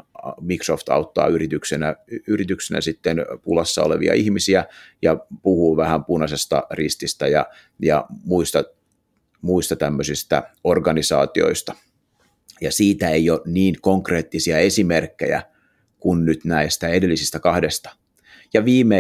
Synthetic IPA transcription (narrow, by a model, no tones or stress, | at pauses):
mikroft̪ɑ̰ut̪ːɑ̰ːyrit̪yksenæyrit̪yksenæ̰sit̪ːenpulɑsːɑ̰oleʋḭɑ̰ihmisiæjɑpuhuːʋæhæmpunɑsest̪ɑ̰rist̪ist̪æjɑ̰ | jɑmuist̪ɑ | muist̪ɑt̪æmːøsist̪æorɡɑnisɑ̰ːt̪io̞̰ist̪ɑ̥ | jɑsiːt̪æejoniːŋkoŋkreːt̪ːisiɑesimerkːḛjæ̰ | kunnyt̪næist̪æedelːisist̪ækɑhdest̪ɑ̥ | jɑʋiːme